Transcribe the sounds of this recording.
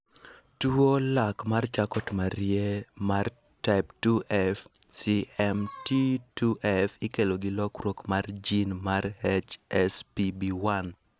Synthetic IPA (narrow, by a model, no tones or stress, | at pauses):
tuolakmart͡ʃakɔtmaɾjemar | taɪptuʔɛfsiɛmtituʔɛfɪkeloɡɪlɔkrwokmard͡ʒinmarhɛt͡ʃɛspibiwan